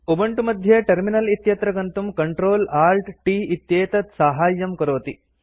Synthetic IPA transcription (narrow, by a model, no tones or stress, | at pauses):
ubɐɳʈumɐd̪ʱjɐʈɐɾminɐlit̪jɐt̪ɾɐɡɐnt̪umkɐɳʈɾoːlaːɾʈʈiːit̪jeːt̪ɐt̪saːɦaːjːɐmkɐɾoːt̪i